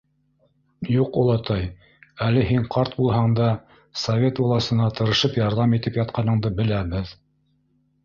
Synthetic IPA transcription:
juqolˠɑt̪ɑj | ælɘɦiɴqʰɑɾt̪̚bulˠɦɑɴd̪ɑ | sɐvʲet̪bolˠɑsɤ̆nɑt̪ɤ̆ɾɤ̆ʃɤpjɑɾðɑmit̪ɘpjɑt̪̚qɑnɤ̆ɴd̪ɤbɘ̆læbɘð

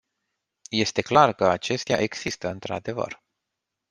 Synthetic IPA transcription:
je̞st̪e̞klarkəat͡ʃe̞st̪ea̰ʔe̞ɡsist̪əɨnt̪ɾa̰d̪e̞və̰r

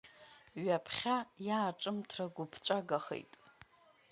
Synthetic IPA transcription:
ɥapʰχʲajaːʈ͡ʂʼɨmtʰraɡʷʊpʰt͡ɕʷʼaɡaχḛjtʼ

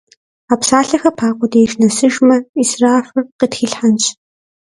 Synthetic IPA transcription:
aːpsaːɬɐxɐpʰaːqʷʊdeʃnɐsɨʒmɐisraːfɨrqitxiɬħant͡ʃʰʼ

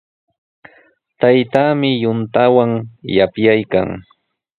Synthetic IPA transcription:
t̪ajt̪aːmɪjʊnt̪awaŋja̰pjajka̰ŋ

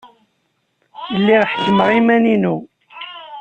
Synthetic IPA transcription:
jəlːiʁħə̥kːəmʁimæninu

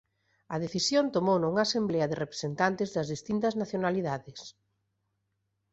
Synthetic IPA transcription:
ɐð̞eθisjont̪omownʊuŋaːsemblɛɐðɪrepɾe̥sent̪ant̪ɪzðɐzðist̪int̪ɐznaθjonaliðaðɪs

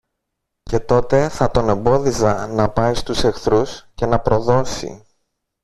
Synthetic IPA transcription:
ce̞t̪o̞t̪e̞θɐt̪o̞ne̞mbo̞ðisɐnɐpɐist̪use̞xθɾusce̞nɐpɾo̞ðo̞sḭ

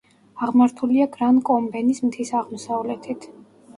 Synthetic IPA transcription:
aʁmaɾt̪ʰuliaɡɾankʼɔmbɛnismt̪ʰisaʁmɔsavlɛt̪ʰit̪ʰ

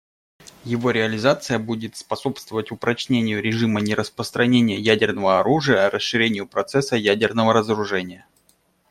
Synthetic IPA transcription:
jɪvo̞ɾʲɪɐlʲɪzat̪sɨjəbudʲɪt̪spɐso̞pst̪vəvətʲʊpɾɐt͡ɕnʲenʲɪjʊɾʲɪʐɨmənʲɪɾəspɾəst̪ɾɐnʲenʲɪjəjædʲɪrnəvəɐɾuʐɨjərəsʂɨɾʲenʲɪjʊpɾɐt̪sɛsːəjædʲɪrnəvəɾəzəɾʊʐɛnʲɪjə

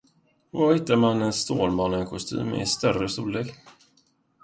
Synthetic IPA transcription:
vahɪt̪ːaɾmanɛnst̪oːlmɑːnənkʰʊst̪ʰy̰ːmɛ̰st̪œrəst̪uːleːk

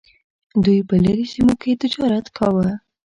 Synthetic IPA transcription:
d̪ujpəlaɾisimoket̪ɪd͡ʒɑɾat̪kʰawə

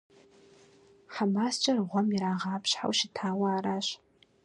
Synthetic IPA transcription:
ħamast͡ʃʼarʁʷamiɾaʁaːpʰʃħa̰wʃitʰaːwaːɾaʃ

